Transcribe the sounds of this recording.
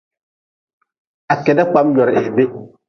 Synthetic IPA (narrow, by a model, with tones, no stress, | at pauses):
a˨kɛ˨nda˦k͡pa˦mjɔ˨ɾɛ˨hbe˦